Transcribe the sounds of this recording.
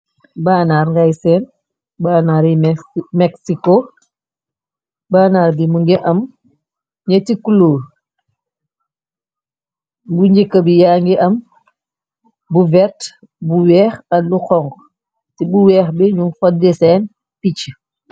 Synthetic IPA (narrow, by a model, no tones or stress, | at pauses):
baːnaːɾŋɡajsɛːn | baːnaːɾimɛksiko | baːnaːɾbimuŋɡɛʔɐm | ɲɐtikuloː | buɲɟikːəbijaŋɡiʔɐm | buvɛt | buwɛːxɐluxɔŋɡ | tibuwɛːxbiɲuŋfɔdɛsɛːn | pit͡ʃː